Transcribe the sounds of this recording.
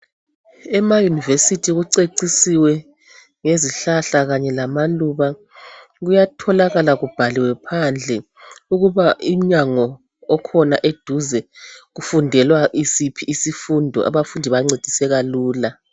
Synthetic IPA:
ɛmajunivesitʰiɣuǀeǀisiwɛ | ŋeziɬaɬaɣaɲɛlamaluβa | ɣujatʰɔlaɣalaɣub̥ʱaliwɛpʰand͡ɮʱɛ | uɣuβaim̩ɲaŋɔ | ɔkʰɔna̰ʔed̥ʱuzɛɣufundʱɛlwaʔisipʰiːsifundʱɔ̰ʔa̰βafundʱiβaŋ͡ǀed̥ʱisɛɣaluːla

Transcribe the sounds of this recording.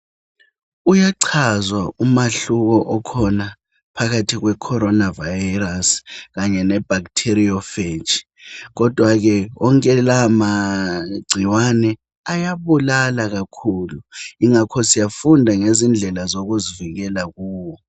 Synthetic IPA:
ujaǀʰazwaumaɬuk̬ɔʔɔkʰɔna | pʰaɣ̬atʰiɣ̬wɛkʰɔɾɔnavarask̬aɲɛnɛb̥ʱak̬tʰeriɔfet͡ʃʰi̥ | k̬ɔd̥ʱwak̬ɛɔŋkʼɛlamaɡ͡ǀʱiwanɛ | ajaβulalaɣ̬akʰuːluiŋakʰɔsijafundʱaŋezind͡ɮʱɛlazoɣ̬uziviɣɛlakuːwɔ

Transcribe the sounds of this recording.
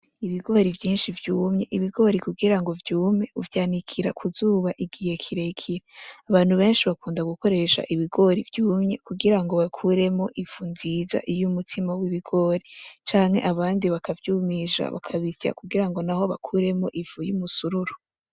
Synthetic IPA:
iβiɡo̞ɾivjiːnʃivjuːmɲe̞ʔiβiɡo̞ːɾikuɡiɾaŋɡo̞vjuːmɲe̞uvjaːnikʰiɾa̰kʰuzuːβaʔiɡihe̞kʰiɾekʰiɾaaβaːn̥huβe̞ːnʃiβakuːndaɡuko̞ɾe̞ʃa̰ʔiβiɡo̞ɾivjuːmɲe̞kuɡiɾaŋɡo̞βakʰuɾe̞mo̞ʔiv̥unziːza̰ʔijumutʰimawiβiɡo̞ːɾit͡ʃaːŋhe̞̰ʔaβaːndiβakavjuːmiʃa̰βa̰kʰaβisja̰kuɡiɾaŋɡo̞naho̞βa̰kʰuɾe̞mo̞ʔivujumusuɾuɾo

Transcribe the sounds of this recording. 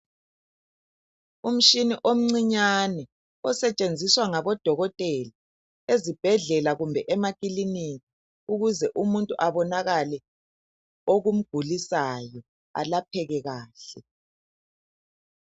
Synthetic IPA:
um̩ʃiniʔom̩ŋ͡ǀiɲanɛ | ɔsɛt͡ʃʼend͡zʱiswaŋaβɔd̥ʱɔɣɔtʼɛli | ezib̥ʱɛɮɛlaɣumbʱɛʔɛmakʼilinikʼi̥ | uɣuzɛʔumuntʼuʔaβɔnaɣalɛ | oɣum̩ɡ̥ʱulisajɔ | a̰lapʰɛɣɛɣaːɬɛ

